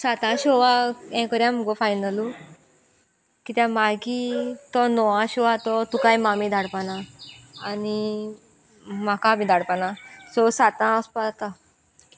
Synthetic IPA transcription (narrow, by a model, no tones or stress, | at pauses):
sat̪ãɕɔʋaɛ̃kɔɾjãm̤ɔɡɔfajnəlu | kit̪jãmaɡit̪ɔnɔʋãɕɔʋat̪ɔt̪ukajmamid̪ʱaɽpanaː | ni | m̤akabĩd̪ʱaɽpanasɔsat̪ãaspat̪a